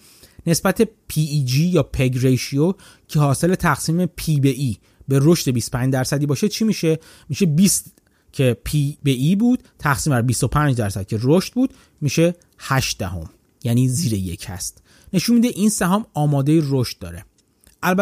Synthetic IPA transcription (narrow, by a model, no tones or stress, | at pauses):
ne̞sbæt̪ʰe̞pʰid͡ʒijɒːpʰeɡɾejʃio | cʰe̞hɒːse̞le̞t̪ʰæɣsiːme̞pʰibeʔiː | be̞ɾo̞ʃt̪e̞bist̪opʰænd͡ʒd̪æɾsæd̪iːbɒːʃet͡ʃʰimiʃe | miːʃebiːst̪ | cʰe̞pʰibeʔibuːd̪̥̚t̪ʰæxsiːmbæɾbist̪o̞pʰænd͡ʒd̪æɾsæd̪̚cʰe̞roʃt̪̚buːd̪̥ | miːʃe̞ | hæʃd̪̥æɦo̞̰m | jæniːziːɾeje̞̰cʰhæ̰st̪ | ne̞ʃunmiːd̪eʔinsæɦɒːmɒːmɒːd̪e̞jiroʃt̪̚d̪ɒ̰ːɾḛ | ʔælbæ